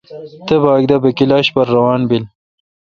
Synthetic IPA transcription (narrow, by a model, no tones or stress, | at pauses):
t̪əbɑːɡ̚d̪abɐkilɑːɕbɐɾːɐwɑːnbil